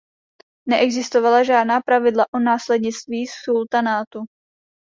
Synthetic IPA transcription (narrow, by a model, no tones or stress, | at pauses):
nɛʔɛɡzɪst̪ovalaʒaːdnaːpɾavɪdlaʔonaːslɛdɲɪt͡st̪viːsult̪anaːt̪u